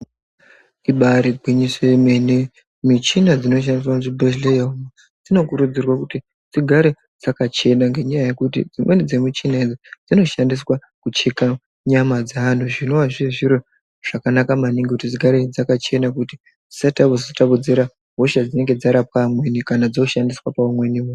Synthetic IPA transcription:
iɓaɾebʱwiɲiseemene | mit͡ʃinad͡zino̞ʃ̬andis̬wamutibʱeʃlejauma | d͡zino̞kuɾud͡zirwakuti | d͡ziɡʱaɾe | d͡zakat͡ʃe̞naŋɡe̞ɲajaje̞kutḭd͡zimwe̞ned͡zemit͡ʃinaed͡zod͡zino̞ʃandis̬wa | kut͡ʃeka | ɲamad͡zaːnuʐino̞waʐieʐiɾo | ʐ̥akanakamaniŋɡekutid͡ziɡʱaɾed͡zakat͡ʃe̞nakuti | d͡zisataβozotaβud͡ziɾa | ɦoʃad͡zine̞ŋɡe̞d͡zaɾap̚amwe̞nikanad͡zoʃandiswapaumwe̞nimu

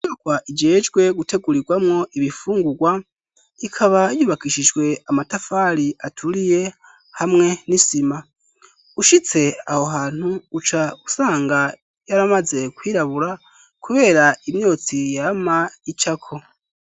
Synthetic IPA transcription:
iɲoɡwaʔid͡ʒe̞ːd͡ʒɡwe̞ɡutʰe̞ɡuɾiɡwamŋo̞ʔiβifuːŋɡuɡwa | ikʰaβajuβakiʃid͡ʒɡwe̞amatafaɾiʔatʰuɾije̞ | hamŋe̞nisima | uʃit͡se̞aho̞ɦaːn̥huːt͡ʃausaːŋɡa | jaɾamaze̞kwiːɾaβuɾa | kuβe̞ːɾaimjo̞t͡sijamait͡ʃakʰo̞

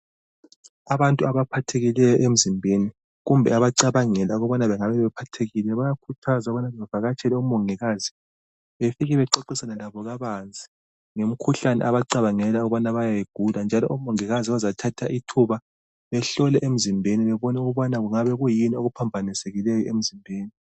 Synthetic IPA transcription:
aβantʼuaβapʰatʰeɣilɛjɔʔem̩zimbʱeni | ɣumbʱɛaβaǀaβaŋɛlauɣɔβanaβɛŋaβɛβɛpʰatʰeɣilɛβajakʰutʰazauβanaɛavaɣat͡ʃʰʼɛlɛum̩oŋiɣazi | βefiɣɛβɛǃoǃisanɛlaβɔɣaβand͡zʱi̥ | ŋom̩kʰuɬanɛ̰ʔaβaǀaβaŋɛlauɣuβanaβajajiɡ̥ʱuland͡ʒʱalɔʔumɔŋiɣaziβazatʰatʰaʔitʰuβa | βɛɬɔlɛʔem̩zimbʱeniβɛβɔnɛuɣuβanaɣuŋaβɛɣujinioɣupʰambʱaniseɣilɛjɔem̩zimbʱeːni

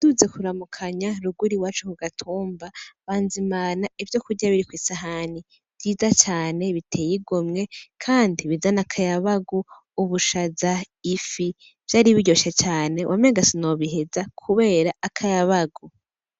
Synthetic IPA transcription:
d̥uze̞kuɾamukʰaɲaɾuɡuɾiwaːt͡ʃukuɡatʰuːmbaβaːnzimaːnaivjo̞kuɾɟaβiɾikwiːsaɦani | v̥jiːzat͡ʃaːne̞βitʰe̞ːjiɡomŋe̞kʰaːndiβizanakʰajaβaɡu | uβuʃaza | ifi | v̥jaːɾiβiɟo̞ʃat͡ʃaːne̞wʔameːɡasinoβiɦezakʰuβe̞ːɾaːkʰajaβaɡu

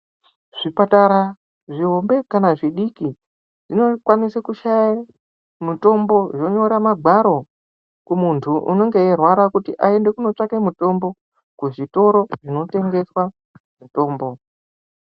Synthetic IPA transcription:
ʐ̥ipataɾa | ʐiɦombe̞kanaʐiɗiki | ʐino̞kwanisakuʃaja | muto̞mbo̞ʐo̞ɲo̞ɾamaɡʱwaɾo̞ | kumuntʰuʔṵno̞ŋɡeerwaɾakutiʔae̞nde̞kuno̞t͡ʂakemuto̞mbo̞ | kuʐito̞ɾo̞ʐino̞te̞ŋɡe̞swa | muto̞ːmbo̞

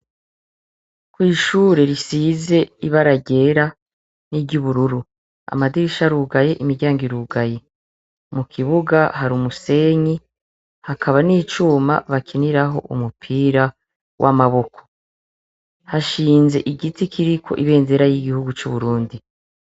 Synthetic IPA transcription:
kwiːʃuːɾe̞ɾisize̞iβaɾaɟe̞ɾa | niɟuβuɾuɾu | a̰madiɾiʃaɾuɡaje̞ʔimiɾɟaːŋɡiɾuɡaje | mukʰiβuɡaɦaɾumuse̞ɲi | hakʰaβaniːt͡ʃuma̰βakʰeniɾaɦo̞̰ʔṵmupʰiːɾa | wʔa̰maβo̞kʰo | haʃiːnze̞ʔiɡitikʰiɾikʰo̞̰ʔiβe̞ːnze̞ɾajiɡihuɡut͡ʃuβuɾuːndi

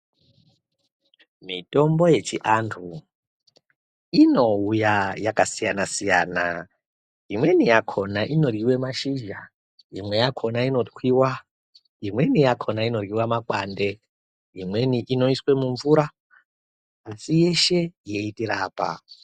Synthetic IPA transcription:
mito̞mbo̞je̞t͡ʃiʔantʰu | ino̞ujajakasijanasija̰ːna̰ | imwe̞nijakʰo̞naʔino̞riwe̞maʃiʒa | imwe̞jakʰo̞naino̞twiwa | imwe̞nijakʰonaino̞riwamakwande̞ | imwe̞niʔino̞iswe̞muɱvuɾa | sije̞ʃe̞je̞itiɾaːpa̰

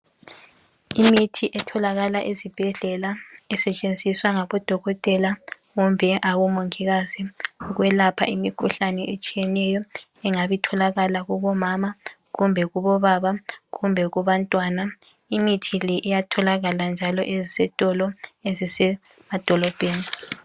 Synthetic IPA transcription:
imitʰiʔɛtʰɔlaɣalaʔezib̥ʱɛɮɛlaɛsɛt͡ʃʼend͡zʱiswaŋaβɔd̥ʱɔɣɔtʼɛla | ɣumbʱɛʔaɣumoŋiɣaziɣwɛlapʰa̰imikʰuɬanɛʔet͡ʃʼijɛnɛjɔ | ɛŋaβitʰɔlaɣalaɣuβɔmaːma | ɣumbʱɛɣuβɔβaβaɣumbʱɛɣuβantʼwaːna | imitʰilɛʔijatʰɔlaɣaland͡ʒʱalɔʔezisɛtʼɔlɔezisɛ | mad̥ʱɔlɔb̥ʱeːni

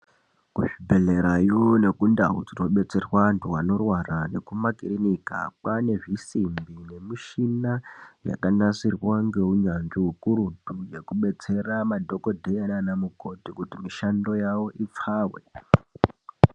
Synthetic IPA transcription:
kuʐibʱe̞ɮe̞ɾajone̞kunda̰ɦṵd͡zino̞ɓe̞t͡se̞rwantʰuwano̞rwarane̞kumakirinika̰pane̞ʐisimbine̞miʃinaja̰kanasirwaŋɡe̞uɲanʐiɦukuɾuduje̞kuɓe̞t͡se̞ramadʱo̞ko̞dʱejananamuɡʱo̞dʱikutimiʃando̞jawo̞ʔip͡faːwḛ

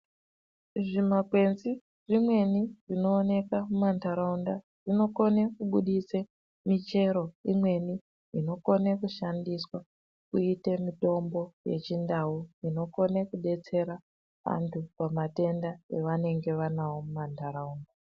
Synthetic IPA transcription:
ʐimakwe̞nzi | ʐimwe̞niʐino̞ːne̞kamumantaɾaunda | ʐino̞ko̞nekuɓuɗise | mit͡ʃe̞ɾo̞imwe̞ni | ino̞ko̞nekuʃandiswa | kuitemito̞mbo̞je̞̰t͡ʃindauino̞ko̞nekuɗe̞t͡se̞ɾa | ʋa̰ntʰupamate̞ndaeʋane̞ŋɡe̞ʋanawo̞mumantaɾauːnda

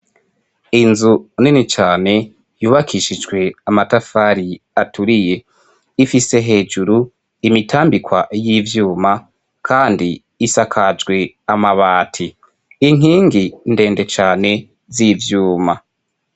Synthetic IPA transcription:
inzuninit͡ʃaːne̞ | juːβakʰiʃid͡ʒɡwe̞amatafaːɾiatuɾije̞ | ifise̞ɦe̞ːd͡ʒuɾu | imitʰaːmbikwajiːvjuːma | kʰaːndiː | sakʰad͡ʒɡwe̞ | amaβaːtʰi | iŋ̥iːŋɡinde̞ːnde̞t͡ʃaːne̞ | zivjuːma

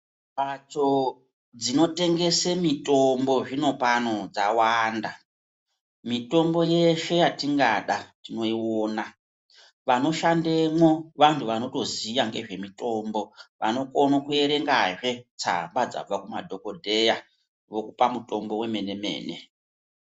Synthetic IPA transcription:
mat͡ʃo | d͡zino̞te̞ŋɡe̞semito̞mbo̞ʐino̞pano̞d͡zawanda | mito̞mbo̞je̞ʃe̞jatiŋɡaɗatino̞iwoːna | ʋano̞ʃande̞mwo̞ʋantʰuʋano̞to̞ziaŋɡe̞̰ʐe̞mito̞mbo̞ʋa̰no̞konokue̞ɾe̞ŋɡaʐe̞t͡sa̰mbad͡za̰b͡vakuma̰dʱo̞ko̞dʱe̞ja | ʋo̞kupamuto̞mbo̞we̞me̞ne̞me̞̰ːne̞̰

